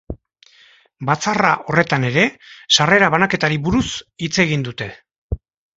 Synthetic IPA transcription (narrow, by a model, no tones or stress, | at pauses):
bat͡saraʔo̞re̞t̪ane̞ɾe̞sare̞ɾaβanake̞t̪aɾiβuɾusit͡se̞ɣ̞ind̪ut̪e̞